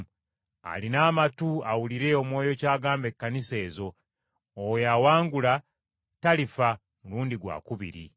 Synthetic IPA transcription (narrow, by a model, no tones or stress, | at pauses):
a̰linaːmatuawuliɾe̞o̞mwo̞ːjo̞caːɡaːmbe̞kːanise̞ːzo̞ː | weawaːŋɡula | talifa | muluːndiɡwa̰ːkuβḭɾḭ